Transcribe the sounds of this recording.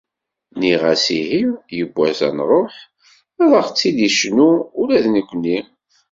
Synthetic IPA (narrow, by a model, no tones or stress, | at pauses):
niʁæsihimjəbʷːæzæ̰nɾˤoħ | æðˤəʁt͡sːid̪iʃnuʊlæðnikʷːnːi